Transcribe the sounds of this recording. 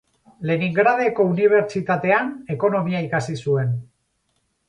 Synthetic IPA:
le̞niŋɡɾaðe̞ko̞uniβ̞e̞ɾt͡ʃit̪at̪e̞ane̞ko̞no̞miaikasisue̞n

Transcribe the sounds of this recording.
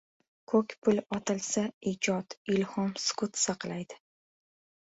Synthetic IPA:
kʰɵkʲpʰʊlɒt̪ʰɪlsaid͡ʒɒt̪ɪlhɒmskʊt̪sɑqlˠajd̪ɪ

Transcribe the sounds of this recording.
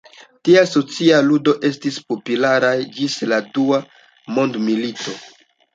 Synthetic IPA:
tiaso̞t͡sialudo̞ʔe̞stispo̞pulaɾajd͡ʒisladua | mo̞ndmilito̞

